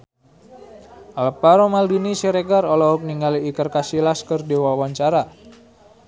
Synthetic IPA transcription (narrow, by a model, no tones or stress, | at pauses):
ʔalpaɾomaldinisiɾeɡarɔlɔɦɔk̚niŋɡaliːkərkasilaskərdiwawaɲt͡ʃaɾa